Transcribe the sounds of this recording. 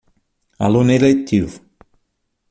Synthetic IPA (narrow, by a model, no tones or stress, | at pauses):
alunelet̪ʰiv